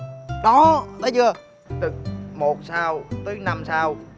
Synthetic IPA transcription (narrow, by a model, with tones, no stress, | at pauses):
ɗɔ˨˦t̪aː˨˦jt͡ɕɨ˨˧˩ə | t̪ɨ˨˩k̚mo˨˩t̚saː˧wt̪əː˨˦jna˧msaː˧w